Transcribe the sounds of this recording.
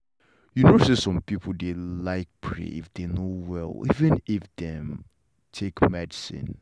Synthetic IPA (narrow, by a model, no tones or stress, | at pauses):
junosisɔ̃mpipʰl̩delaɪk̚pʰɹḛḭfdenowɛ̰lˠḭvɨ̃nifdɛ̃m | tʰekmɛdisḭ̃n